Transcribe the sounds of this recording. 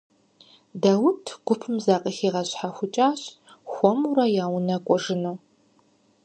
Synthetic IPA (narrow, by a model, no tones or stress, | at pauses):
dawʊtʰɡʷʊpʰɨmzaːqʼəxiːʁɐɕħaxʷʊt͡ʃʼaːɕ | xʷɔmuɾɐjaːwnɐkʷʼɔʒɨnuw